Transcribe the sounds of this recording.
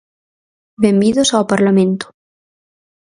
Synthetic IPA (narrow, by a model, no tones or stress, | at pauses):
bembiðosawpaɾlamẽnt̪o̥